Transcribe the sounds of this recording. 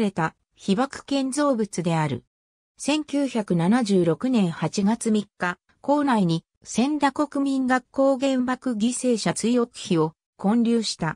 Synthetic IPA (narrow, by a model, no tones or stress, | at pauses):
ɾe̞t̪a | çibakɯ̟̥kẽ̞nd͡zo̞ːbɯ̟t͡sɨd̪e̞aɾɯ̟̰ | sẽ̞ŋkʲɨːçakɯ̟nanaʑɨːɾo̞kɯ̟nẽ̞ɰ̃hat͡ɕiɡat͡sɨmʲikːa | ko̞ːnaiɲ̟i | sẽ̞nd̪ako̞kɯ̟mʲĩŋɡakːo̞ːɡẽ̞mbakɯ̟ɡʲise̞ːɕat͡sɨijo̞kɯ̟̥çio̞ | kõ̞ɲɾʲɨːɕi̥t̪a